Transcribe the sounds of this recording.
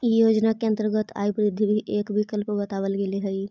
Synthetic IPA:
joːd͡ʒnakeə̃nt̪əɾɡət̪a̰ːibɾɪd̪ʱːibʱiʔeːkbʱikəlpbɐt̪aːʋəlkeleɦɐi

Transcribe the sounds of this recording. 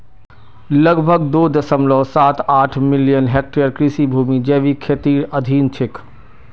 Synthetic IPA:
ləɡbʱəɡd̪oːd̪əsəmlɔːsaːt̪aːʈʰmɪlijənɦek̚ʈejəɾkɾɪsibʱuːmid͡ʒeːʋikʰet̪iːɾəd̪ʱiːnt͡ʃʰɪk

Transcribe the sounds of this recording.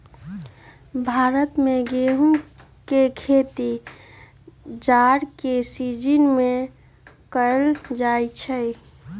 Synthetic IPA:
bʱaːɾət̪mẽɡeɦũ | kekʰet̪i | d͡ʒaːɾkesid͡ʒinmẽ | kəld͡ʒaːit͡ʃʰə

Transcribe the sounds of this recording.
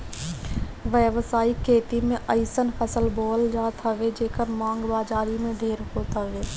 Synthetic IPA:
ʋəʋsaːikʰeːt̪imẽʔəɪsənfʰəsəlboːld͡ʒaːt̪ʰaʋed͡ʒeːkəɾmãːŋɡbaːd͡ʒaːɾimẽɖʱeːɾɦoːt̪aʋeː

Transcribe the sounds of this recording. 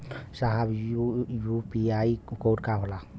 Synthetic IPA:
saɦabjupiajkowd̚kaɦɔla

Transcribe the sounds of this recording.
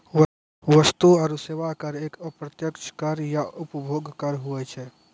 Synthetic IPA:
ʋəst̪uəɾuseʋakəɾekəpɾət̪jəkt͡ʃʰkəɾjaʔupəbʱoɡkəɾɦuɛt͡ʃʰɛ

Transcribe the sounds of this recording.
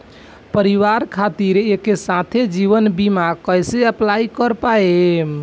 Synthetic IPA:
pəɾiʋaɾkʰat̪iɾekesãt̪ʰed͡ʒiβənbimakəjseəplaikəɾpae

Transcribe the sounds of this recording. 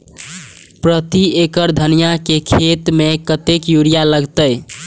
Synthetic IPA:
pɾət̪iekəɾd̪ʱənijakekʰet̪mekət̪ekjuɾijaləɡt̪əj

